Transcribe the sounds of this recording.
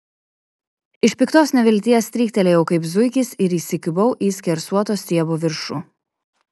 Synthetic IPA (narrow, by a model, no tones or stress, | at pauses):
ɪʃʲpʲɪkt̪oːsnʲɛʋʲɪlʲt̪ʲiɛsʲt̪ʲɾʲiːkt̪ʲɛlʲeːjɛʊkɐɪpzʊɪkʲɪsɪɾiːsʲɪkʲɪbɔʊʔiːsʲkʲɛɾsuɔt̪oːsʲt̪ʲiɛboːʋʲɪɾʃu